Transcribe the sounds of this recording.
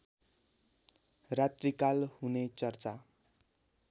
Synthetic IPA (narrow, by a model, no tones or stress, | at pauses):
rat̪rikalhunet͡sʌrt͡sa